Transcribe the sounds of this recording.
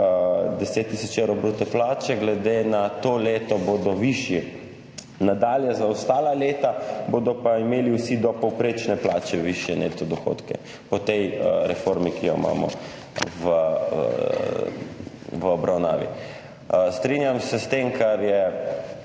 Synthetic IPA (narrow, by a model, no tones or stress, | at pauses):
d̪ɛset̪ːisɔt͡ʃewɾɔbɾut̪ɛplaːt͡ʃɛɡlɛd̪enat̪oːleːt̪ɔboːd̪ɔʋiʃjɛ | nad̪aːljɛzaɔst̪aːlaleːt̪aboːd̪ɔpaimeːliwsid̪ɔpɔwpɾeːt͡ʃnɛplaːt͡ʃɛʋiʃjɛneːt̪ɔd̪ɔxo̰ːt̪kɛ̰ | pɔt̪ɛjɾɛfoɾmikijɔima̰ːmɔ̰ | ʋə | ʋəɔbɾawna̰ːʋḭ | st̪ɾinjamsɛst̪emkʰaɾjɛ